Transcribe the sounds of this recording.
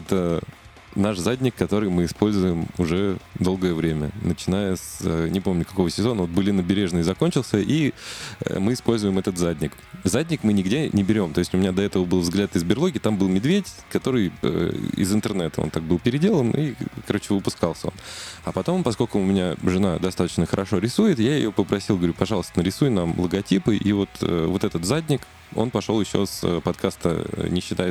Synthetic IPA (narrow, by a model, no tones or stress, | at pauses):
ɛt̪ə | naʂzadʲnʲɪkːɐt̪o̞ɾɨjmɨɪspo̞lʲzʊjɪmʊʐɛd̪o̞lˠɡəjəvɾʲemʲə̰nət͡ɕɪn̪ajəsənʲɪpo̞mnʲʊkɐko̞vəsʲɪzo̞nəvot̪̚bɨlʲɪnəbʲɪɾʲe̞ʐnəzɐko̞nʲt͡ɕɪlˠsʲəʔḭ | mɨɪspo̞lʲzʊjɪmɛt̪ət̪zadʲnʲɪk | zadʲnʲɪkmɨnʲɪɡdʲenʲɪbʲɪɾʲo̞mt̪o̞ɪsʲtʲʊmʲɪnʲad̪ɐɛt̪əvəbɨlˠvzɡlʲat̪ɪzbʲɪɾlˠo̞ɡʲɪt̪ambɨlˠmʲɪd̪vʲetʲ | kɐt̪o̞ɾɨjə̰ɪ̰zɨnt̪ɨrnɛt̪əo̰nt̪ak̚bɨlˠpʲɪɾʲɪdʲe̞lˠənḭkɐɾo̞t͡ɕɪvɨpʊskalˠsʲəo̞̰nɐpɐt̪o̞mpɐskolʲkʊʊmʲɪnʲaʐɨnad̪ɐst̪at̪ə̥t͡ɕnəxəɾʔɐʂo̞ɾʲɪsujɪt̪jaɪjopəpɾɐsʲilˠɡəvɾʲupɐʐɑlˠəst̪ənəɾʲɪsujnamlˠəɡɐtʲipɨʔivo̞t̪ʰə̰vo̞t̪ɛt̪ət̪zadʲnʲɪk | o̞̰npɐʂo̞lˠjɪɕːo̞̰sə̰pɐt̪kʰast̪ə̰nʲɪɕːɪt̪ajɪt̪